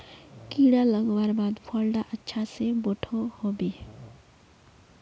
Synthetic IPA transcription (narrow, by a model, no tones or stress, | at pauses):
kiɽaləɡʋaːɾbaːd̪pʰəlɖaʔətːʃʰaseboʈʰohobi